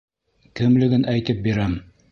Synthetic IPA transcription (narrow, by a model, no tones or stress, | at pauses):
kɘ̆mlɘ̆ɡɘnʔæjt̪ɘp̚biɾæm